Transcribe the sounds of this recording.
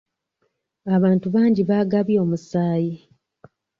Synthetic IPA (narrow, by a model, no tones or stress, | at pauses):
aβaːntuβaːɲɟiβaːɡaβjo̞ːmusaːji